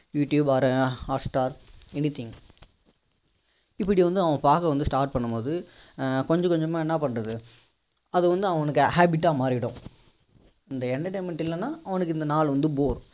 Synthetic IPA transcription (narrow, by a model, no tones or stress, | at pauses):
juːʈjuːbaːɾɐaːsʈaːɾɛnɪt̪ʰɪŋ | ɪpːɐɽiʋɐnd̪ɯɐʋɐ̃paːkːɐʋɐnd̪ɯsʈaːɾʈ̚pɐɳːɯmpoːðɯkɔɲd͡ʒɐkɔɲd͡ʒɐmːaːɛnːɐpɐɳːɾɐðɯ | ɐðɯʋɐnd̪ɯɐʋɐnɯkːɯhaːbɪʈːaːmaːɾɪɽʊ̃ | ɪnd̪ɐɛɳɖɐʈeːmɛɳʈɪlːɛnːaːɐʋɐnɯk̬ːɪnd̪ɐnaːɭʋɐnd̪ɯboːɾ